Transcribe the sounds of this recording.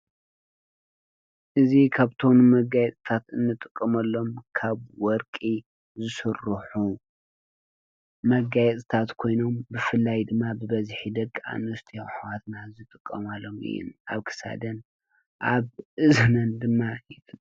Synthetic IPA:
ʔɨzikʰaβt̪ʰo̞nmɐɡajɛt̪ʼt̪ʰat̪ɨnːɨt̪ʼɨkʼːɐmɐlːo̞mkʰaβwɔɾkʼi | zɨsɨrɨħu | mɐɡajɛt̪ʼɨt̪ʰat̪kʰo̞jno̞mbɨfɨlːajd̪ɨmːabɨbɐzħid̪ɐkʼːa̰nust̪ʰioħawat̪nazɨt̪ʼɨkʼːɐmalːomɨ̰jːṵnaβkʰɨ̥sa̰d̪ɐn | ʔaβʔɨzɐnɐnd̪ɨmːajɪ

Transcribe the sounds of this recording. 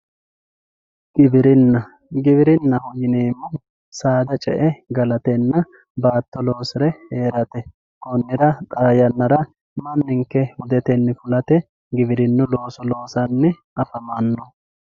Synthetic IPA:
ɡ̥ɪbɪɾɪnːɐ | ɡɪbɪɾɪnːɐhʊjɪneːmːʊ | saːd̪ɐt͡ʃʼɛ̰ʔɛɡɐlɐt̪ɛnːɐ | baːt̪ːɔlo̞ːsɪɾɛheːɾɐt̪ɛ | kɔnːɪɾɐt̪ʼaːjɐnːɐɾɐ | mɐnːɪŋkːɛhʊd̪ɛt̪ɛnːɪfʊlɐt̪ɛ | ɡɪbɪɾɪnːʊlo̞ːsɔlo̞ːsɐnːɛ | ɐfɐmɐnːɔ

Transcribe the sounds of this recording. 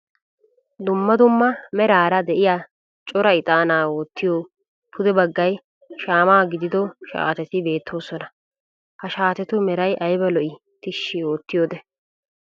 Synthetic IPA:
d̪ʊmːɐd̪ʊmːɐmɛɾaːɾɐd̪ɛʔɪjaː | t͡ʃʼɔɾɐɪt̪ʼaːnaːwoːt̪ːɪjoː | pʰʊd̪ɛbɐɡːɐj | ʃaːmaːɡɪd̪ɪd̪ɔʃa̰ːt̪ɛt̪ɪbe̞ːt̪ʰːo̞ːsɔnɐ | hɐʃaːt̪ɛt̪ʊmɛɾɐjʔɐjbɐlɔʔɪ | t̪ɪʃːɪoːt̪ːɪjoːd̪ɛ

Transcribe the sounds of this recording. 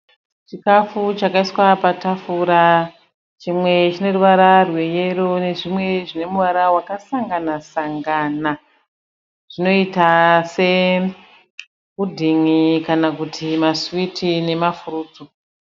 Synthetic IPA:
t͡ʃikafut͡ʃakaiswapatafuɾa | t͡ʃimwe̞t͡ʃino̞ruʋaɾarweje̞ɾo̞ne̞ʐimwe̞ʐine̞muʋaɾawakasaŋɡanasaŋɡana | ʐ̥ino̞itase̞ | kudʱiŋikanakutʰimaswitʰine̞mafuɾuːt͡su

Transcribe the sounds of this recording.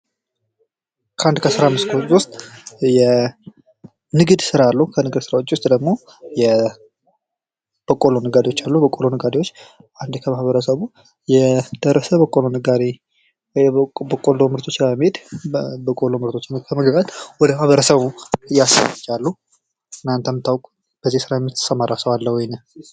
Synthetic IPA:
kʰəand̪kʰəsɨɾamːɨst̪kʰowʊst̪ʼjɛ | nɨɡɨd̪sɨɾalːuhukʰənɨɡɨd̪sɨɾawot͡ʃːwʊst̪ʼd̪əɡmo̞ | jɛ | b̥əkʼːolo̞nɨɡad̪ewo̞t͡ʃːalːuhbəkʼolo̞nɨɡad̪ewo̞t͡ʃː | ʔand̪kʰəmahβəɾəsəβu | jɛd̪̥əɾəsəbəkʼolo̞nɨɡad̪e | wjbəkʼolo̞mɨɾt̪ʰʼo̞t͡ʃːaəmːhed̪bəkʼolo̞mɨɾt̪ʰo̞t͡ʃːɪnkʰəməɡəkʼat̪wɔd̪əmahβəɾəsəβujasə̰t͡ʃʼːalːu | t̪ʰɨnant̪ʰəmɨt̪ʰːawkʼu | b̥əzːihsɨɾajɛmːit̪ʰːɨ̥səmaɾasəwalːəhwɔjnə

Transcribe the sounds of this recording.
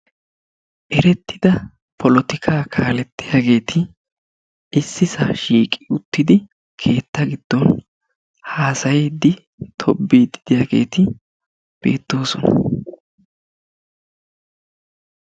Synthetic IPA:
ʔɛɾɛt̪ːɪd̪ɐ | pʰɔlɔt̪ɪkʰaːkʰaːlɛt̪ːɪjaːɡe̞ːt̪ʰɪ | ɪsːɪsaːʃiːkʼɪʊt̪ːɪd̪ɪ | kʰe̞ːt̪ːɐɡɪd̪̥ːɔn | haːsɐjɛd̪ːɪ | t̪ʰɔbːiːd̪ɪd̪̥ɪjaːɡe̞̰ːt̪ɪ | b̥e̞̰ːt̪ːo̞ːsɔnɐ̰

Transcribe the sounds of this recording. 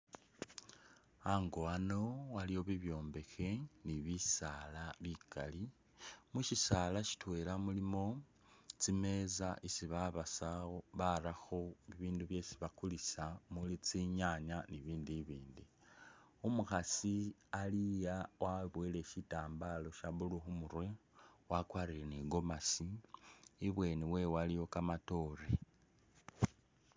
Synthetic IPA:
aŋɡoano̞walijo̞βiβjo̞ːmbe̞xe̞niβisalaβikʰali | muʃisalaʃi̥twe̞ːlamulimo̞ | t͡sime̞zaʔisiβaβasawo̞βaɾaxoβiβiːnduβje̞siβakulisamulit͡siɲaɲaniβiːndiβiːndi | umuxasialijawʔaβwele̞ʃitaːmbalo̞ʃaβuluxumuɾwe̞wakwaɾileniɡo̞masiː | βwe̞ːniwe̞walijo̞kamato̞ɾe̞

